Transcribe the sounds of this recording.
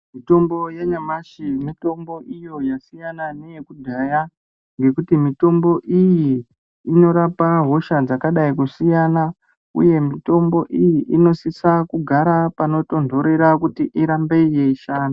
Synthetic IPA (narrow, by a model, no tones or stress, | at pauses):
mito̞mbo̞jaɲamaʃimito̞mbo̞ʔijo̞jasijanane̞jekudʱaja | ŋɡe̞kutimito̞mbo̞ʔijiː | no̞ɾapaɦo̞ʃad͡zakaɗaikusijana | ṵje̞mito̞mbo̞ʔijiʔino̞sisakuɡʱaɾapano̞to̞ndʱo̞ɾe̞ɾakutiʔiɾambe̞ijeiʃaːna